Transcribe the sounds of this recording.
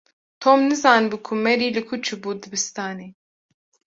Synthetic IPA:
t̪ʰoːmnɨzɑːnbukʰumɛɾiːlɨkʰut͡ʃʰɨbuːd̪ɨbɨst̪aːneː

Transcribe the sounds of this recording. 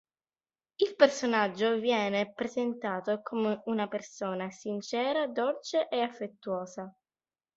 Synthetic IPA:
ilpersonad͡ʒːovjɛːnepɾezent̪aːt̪okʰomeunapersoːnasint͡ʃɛːɾad̪olt͡ʃeʔeafːet̪ːuoːza

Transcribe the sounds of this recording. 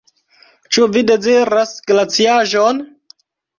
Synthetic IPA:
t͡ʃuvide̞ziɾasɡlat͡siaʒon

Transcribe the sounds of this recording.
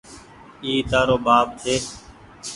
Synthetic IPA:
iːt̪aːɾoːbaːp̚t̪ʰeː

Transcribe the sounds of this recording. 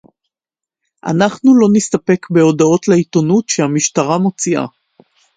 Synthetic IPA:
ʔa̰naχnulo̞nist̪ape̞kbe̞o̞dao̞tleito̞nutʃehamiʃtaʁamo̞t͡siʔa̰

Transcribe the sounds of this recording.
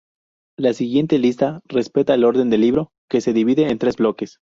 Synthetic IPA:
lasiɣje̞nt̪e̞list̪are̞spe̞t̪aelo̞ɾðe̞nd̪e̞lːiβɾo̞ | ke̞se̞ðiβiðeːnt̪ɾe̞zblo̞ke̞s

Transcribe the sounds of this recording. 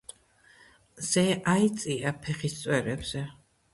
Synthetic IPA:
z̥ɛait̪sʼiapʰɛχist̪sʼwɛɾɛbz̥ɛ

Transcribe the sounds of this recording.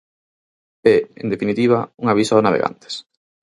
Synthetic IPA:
ɛḛnd̪efinit̪iβ̞ɐuŋaβisɔnaβḛɣa̰nt̪e̥s

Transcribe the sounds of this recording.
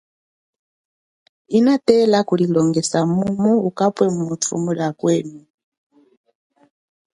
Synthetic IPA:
inatɛlakulilɔŋɡɛsamumuukapwɛmumutʰṵmulakwɛːnu

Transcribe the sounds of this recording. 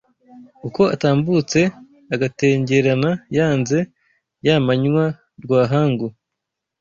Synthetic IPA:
uko̞ataːmbut͡se̞ | aɡate̞ːɲɟe̞ɾanajaːnze̞ | jamaɲwa | ɾɡwaːɦaːŋɡu

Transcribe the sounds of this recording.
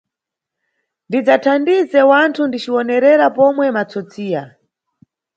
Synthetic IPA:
ndid͡zatʰandizɛwantʰundit͡ʃiwɔnɛɾɛɾapɔmwɛmat͡sɔt͡siːja

